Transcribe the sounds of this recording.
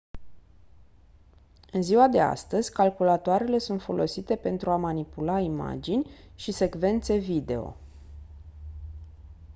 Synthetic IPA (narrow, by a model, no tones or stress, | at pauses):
ɨnziwad̪e̞a̰st̪əz̥ʲkalkulat̪oaɾe̞le̞sunt̪fo̞̰lʔo̞sit̪e̞pe̞nt̪ɾuamanipulaima̰d͡ʒinʲ | ʃise̞ɡve̞nt̪se̞vid̪e̞o̞̰